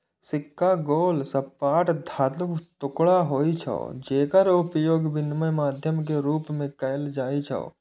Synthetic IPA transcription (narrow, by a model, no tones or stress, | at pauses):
sɪkːaɡoːlsɐpːaːʈd̪ʱaːt̪lʊkt̪ʊkɽaɦoːit͡ʃʰɐ̰ːd͡ʒeːkəɾʊpjoːɡbɪnməjmaːd̪ʱjəmk̬eɾuːpmẽkɐjld͡ʒaːit͡ʃʰɐ̰